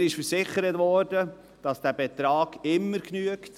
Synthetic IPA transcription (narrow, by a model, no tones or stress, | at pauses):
ɾɪʃfəɾsɪχəɾətvɔːɾdə | d̥ɑsd̥æːbɛt̪ɾɑːɡɪmːəɾknyəkt